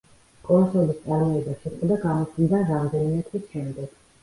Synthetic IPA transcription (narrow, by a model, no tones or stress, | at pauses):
kʼɔsɔlist̪sʼaɾmɔɛbaʃiɛd̪aɡamɔsind̪aɾamd̪ɛnimɛt̪ʰwisʃɛmd̪ɛɡ̥